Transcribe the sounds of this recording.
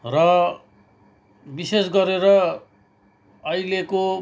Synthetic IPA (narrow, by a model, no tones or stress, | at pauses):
rʌ | bisesɡʌɾeɾʌ | ʌjleko